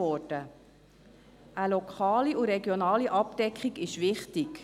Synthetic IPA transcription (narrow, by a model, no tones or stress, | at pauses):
ɔd̥ə | ʔəlokʰɑːliʊɾɛɡjonɑːliʔɑp̚d̥ɛkχiɡɪʃʋɪχtik